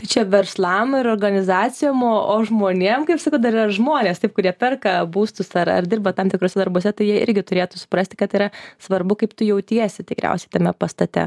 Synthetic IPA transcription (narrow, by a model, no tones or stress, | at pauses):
t̪ɐɪt͡ʃʲɛʋʲɛɾslˠɐmɪɾoːrɡɐnʲɪzɑːt͡s̪ʲɪjoːmoːʔoːʒmoːnʲeɛmkɐɪpsɐkɐʊd̪ɐɾɪːɾɐʒmoːnʲeːst̪ɐɪpkʊɾʲiɛpʲɛrkɐbuːst̪ʊsɐɾɐ̰rd̪ʲɪrbɐt̪ɐmt̪ʲɪkɾoːsʲɛd̪ɐɾboɔsʲɛt̪ɐɪjiɛɪ̰ɾʲɡʲɪt̪ʊɾʲeːt̪ʊsʊ̥pɾɐsʲt̪ʲɪ̥kɐt̪ɪːɾɐsʋɐɾbʊkɐɪpt̪ʊjɛʊt̪ʲiɛsʲɪt̪ʲɪkɾʲæ̰ˑʊsʲɛɪt̪ɐmʲɛpɐst̪ɐt̪ʲɛ̰